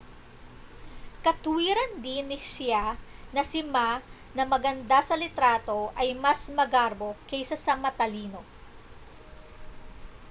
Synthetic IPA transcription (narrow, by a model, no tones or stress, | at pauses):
kɐt̪ʊwiːɾɐnd̪ɪnɪʃɪanɐsɪma | nɐmɐɡɐnd̪asɐlɪt̪ɾaːt̪o̞ʔɐjmɐsmɐɡaɾbo̞kɛjsasɐmɐt̪ɐliːno̞